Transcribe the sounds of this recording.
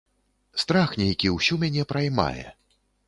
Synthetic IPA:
st̪ɾaxnʲɛjkʲiwsʲumʲanʲɛpɾɐjma̰jɛ̰

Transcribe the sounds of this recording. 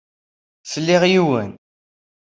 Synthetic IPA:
θəlːiʁjiwə̰n

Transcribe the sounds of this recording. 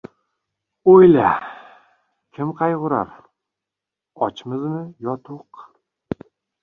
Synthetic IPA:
ojla | kʲʰɪmqʰɑjʁʊɾa̰ɾ | ɒt͡ʃʰmɪznɪjɒt̪ʰʊq

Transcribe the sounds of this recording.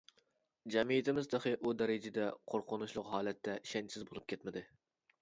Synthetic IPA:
d͡ʒɛmijɪt̪ʰɪmɪzd̪ɑχɨʔud̪ɛɾɪd͡ʒɪd̪ɛqʰoɾqʰʊnuʃlˠʊqɦɑːlɛt̪ʰːɛʃɛnt͡ʃsɪzbolˠup̚kʲʰɛt̪mɪd̪ɪ

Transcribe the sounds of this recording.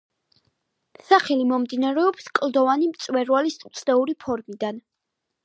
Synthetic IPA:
saχɛlimɔmd̪inaɾɛɔpskʼld̪ɔvanimt̪sʼwɛɾwalisut̪sʰd̪ɛuɾipʰɔɾmid̪an

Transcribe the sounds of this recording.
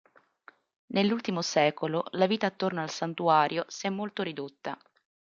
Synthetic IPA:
nelːult̪imosɛːkololaviːt̪aːt̪ːornaalsant̪uaːɾʔjosɛmːolt̪oɾid̪ot̪ːa̰

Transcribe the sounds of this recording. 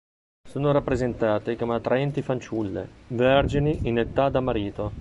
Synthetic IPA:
soːnoɾapːɾezent̪aːt̪ekomeat̪ːɾaɛnt̪ifant͡ʃulːḛverd͡ʒiniinet̪ad̪amaɾiːt̪o

